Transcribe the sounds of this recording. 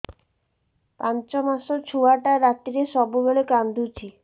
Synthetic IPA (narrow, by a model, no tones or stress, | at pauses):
pant͡ɕomaʃot͡ɕʰuaʈaɾat̪ːiɾeʃɔbubeɭekand̪ʱut͡ɕʰi